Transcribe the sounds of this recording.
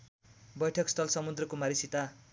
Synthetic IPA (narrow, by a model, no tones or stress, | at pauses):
bʌjʈʰʌkst̪ʰʌlsʌmud̪rʌkomaɾisit̪a